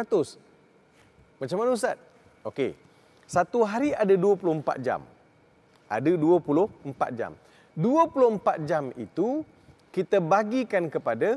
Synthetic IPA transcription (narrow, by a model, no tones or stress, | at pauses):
at̪ʊs | mãt͡ʃamanus̬at̪̚ | okḛ | sat̪uɦaɾiadəduəpulʊhəmpa̰t̪̚d͡ʒa̰m | ʔa̰dəduəpulʊhəmpa̰t̪̚d͡ʒa̰m | duəpulʊhəmpat̪̚d͡ʒamḭt̪u | kit̪əbaɡikankəpada